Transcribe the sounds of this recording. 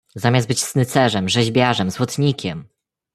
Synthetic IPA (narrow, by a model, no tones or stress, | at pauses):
zamʲjasd̪bɘt͡ɕsnɘt̪sɛʐɛmʐɛʑbʲjaʐɛmzwɔt̪ɲikʲɛm